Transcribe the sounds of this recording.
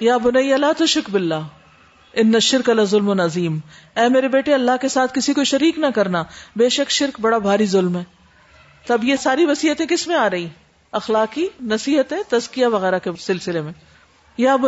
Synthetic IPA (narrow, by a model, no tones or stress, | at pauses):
jaːbʊnɐijalaːt̪ɐʃɪkbɪlːaː | ɪnːɐʃɪɾkɐlɐzʊlmʊnɐziːm | ɛːmeːɾebeːʈeɐlːaɦkesaːt̪ʰkɪsikoʃɐɾiːknɐkɐɾnabeːʃɐkʃɪɾkbɐɽabʱaːɾizʊlmɦɛː | t̪ɐbjesaːɾiʋɐsiːɦət̪ẽkɪsmẽaːɾɐɦi | ɐxlaːkinɐsiːɦət̪ɦɛ̃t̪ɐzkijaʋɐɣɛːɾakesɪlsɪlemẽ | jaːb